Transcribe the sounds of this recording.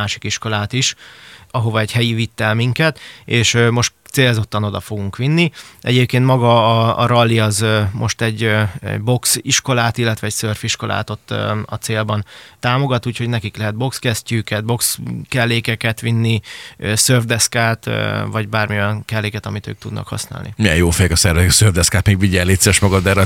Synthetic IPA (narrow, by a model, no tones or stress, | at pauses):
aːʃi̥kiʃko̞laːt̪iʃɒɦo̞vɒɛɟhɛjivit̪ːɛlmiŋkɛt̪eːʃmo̞ʃt̪t̪seːlzo̞t̪ːɒno̞d̪ɒfo̞ɡuŋkʋinːiʔɛ̰ɟeːp̚keːnt̪mɒɡɒ̰ːɾɒlːiɒzmʔo̞ʃt̪ɛɟɛ̰ɟbo̞ksiʃko̞laːt̪ilːɛt̪ʋɛcsørfiʃko̞lʔa̰ːt̪o̞t̪ːɒ̰t̪seːlbɒnt̪aːmo̞ɡɒt̪uːcho̞ɟnɛkiklɛɦɛd̪̚bo̞kskɛscyːkɛd̪̚bo̞kskɛlːeːkɛkɛt̪ʋinːisørvd̪ɛskaːt̪ːvɒɟbaːrmiojɒŋkɛlːeːkɛt̪ɒmit̪ø̰ːk̚t̪ud̪nɒ̰khɒ̰sna̰ːlnḭmijɛjoːfɛjɛkɒsɛrvɛziksøːrvd̪ɛskaːt̪meːɡʋiɟɛlːeːt̪sɛɛʃmɒɡɒd̪d̪ɛːɾɛ